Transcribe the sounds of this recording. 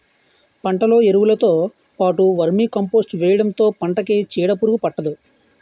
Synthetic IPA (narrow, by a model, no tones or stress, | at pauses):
pɐɳʈɐlo̞ːeɾuʋulɐt̪o̞ː | paːʈuʋɐɾmiːkɐmpoːsʈʋɛːjɐɽɐnt̪o̞ːpɐɳʈɐket͡ʃiːɽɐpuɾuɡupɐʈːɐd̪u